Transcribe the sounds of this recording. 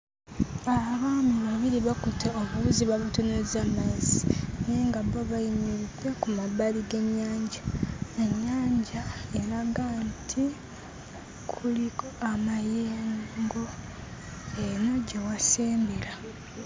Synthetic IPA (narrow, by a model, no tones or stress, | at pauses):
aβaːmiβaβiɾiβakutʰeoβuβuziβaβutonezamazineːŋɡaβoβajimiɾide̞kumabaɾiɡe̞ɲːaːɲɟaeɲːaːɲɟae̞ɾaɡantʰi | kʰulikoamajeːŋŋɡo̞ | eno̞ɟewaseːmbeɾa